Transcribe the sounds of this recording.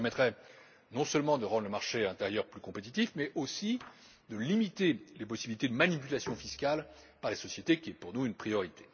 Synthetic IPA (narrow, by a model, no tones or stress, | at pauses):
mɛt̪χɛ | nɔ̃səlmɑ̃d̪əʁɑ̃d̪ʁləmaʁʃeɛ̃t̪eʁjœʁplykɔ̃pet̪it̪ifmɛʔosi | d̪əlimit̪elepɔsibilit̪ed̪əmanipylasjɔ̃fiskalpaʁlesɔsjet̪ekʲiɛpuʁnuynpχijɔʁit̪e̥